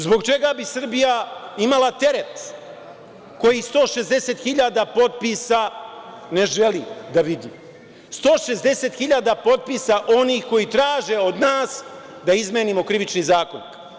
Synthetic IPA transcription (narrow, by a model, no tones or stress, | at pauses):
zbo̞ɡt͡ʃe̞ɡabisr̩bijaimalat̪e̞ɾet̪ | ko̞jist̪o̞ːʃezd̪e̞set̪xiʎad̪apo̞t̪̚pisa | ne̞ʒelid̪aʋid̪iː | st̪o̞ːʃe̞zd̪e̞set̪xiʎaːd̪apo̞t̪̚pisaʔo̞niːxko̞jit̪ɾaːʒe̞od̪naːs | d̪aizmeːnimo̞kɾiʋit͡ʃnizaːkonak